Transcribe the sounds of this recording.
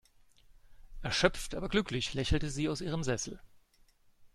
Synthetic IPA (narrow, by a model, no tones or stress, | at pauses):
ʔɛɐʃœp͡ftʔaːbɐɡlʏklɪçlɛçl̩təziːaʊsʔiːʁəmzɛsl̩